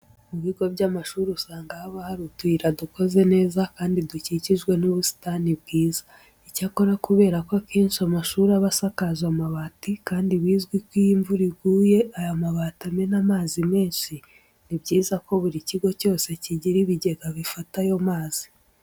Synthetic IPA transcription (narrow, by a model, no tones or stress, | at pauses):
muβiːɡobɟamaʃuːɾiusaːŋɡahaβahaɾutwiːɾaduko̞ze̞ne̞ːzakaːndiduciciʒɡwe̞nuβusi̥tanib̚ɡiːza | icako̞ɾakuβe̞ːɾakoakʰeːnʃiamaʃuːɾaβasakazamaβatikaːndiβiːzɡwikwijiɱvuɾiɡuːje̞ajamaβatamenamaːzime̞ːnʃi | nibɟiːzako̞βuɾiciɡo̞co̞ːse̞ciɟiɾiβiɟe̞ɡaβifatajo̞maːz̥i